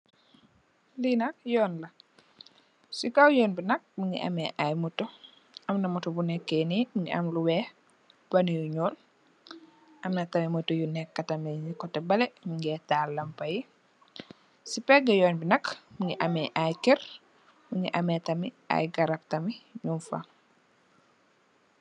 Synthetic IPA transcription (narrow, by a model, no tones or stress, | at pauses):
linɐk̚jɔːnlɐ | sikawjɔːnbinɐk̚muŋɡḭʔɐ̰mɛʔajmutːu | ɐmnɐmutubunɛkːenimuŋḭʔɐ̰mluwɛ | bɐnijuɲɔːn | ʔɐmnɐtɐmimutujunɛkːɐtɐmɛɲikɔtːɛbɐlɛmuŋɡɛtaːlːɐmpɐji | sipɛɡɐjɔːnbinɐkmuŋɡiʔɐmɛʔajkɛɾ | muŋɡiʔɐmɛtɐmi | a̰jɡɐɾɐp̚tɐmiɲunfa̰